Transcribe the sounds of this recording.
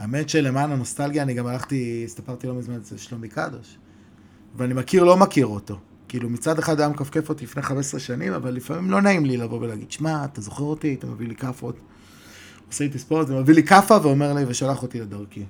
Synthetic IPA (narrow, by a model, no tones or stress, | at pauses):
aemet̪ʃele̞maːnano̞st̪alɡijaniɡamalaχt̪ist̪apaʁt̪ilo̞mizmanzeʃlomika̰doʃ | veanimakiʁlo̞makiʁot̪o̞ | kiːlumit͡sad̪eχad̪jamkafkefot̪ilifneχamesʁeʃanima̰valːifamimlo̞naimlilavo̞velaːɡid̥ʃmaːt̪azo̞χeʁot̪iat̪amavilikafot̪ | oseet̪̬ispotvemavilikafaveo̞me̞ʁliveʃalaχo̞t̪iled̪aʁki